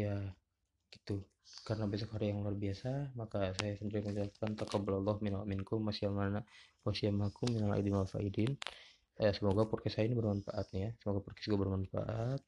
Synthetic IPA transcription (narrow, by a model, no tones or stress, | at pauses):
ja | ɡ̥it̪u | kaɾənabas̬ɔkhaɾijaŋluarbiasamakasajasəndiɾiməɲalap̚kant̪akɑbalalˤːɑhmɪnalamɪnkʊmːasiamanawasiamakʊmːinala̰idinmalfa̰ʔidin | asəmoɡapurkɛsajainibərmanfa̰ʔat̪̚nijasəmoɡapurkɛ̥sɡuabərmannfa̰ʔat̪̚